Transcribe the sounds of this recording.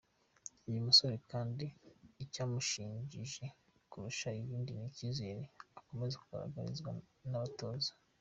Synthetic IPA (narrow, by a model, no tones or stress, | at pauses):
ujumuso̞ɾekaːndiːcaːmuʃiːɲɟiʒe | kuɾuʃaiβiːndinicizeɾeako̞me̞zekuɡa̰ɾa̰ɡa̰ɾḭzɡwanaβato̞ːzḁ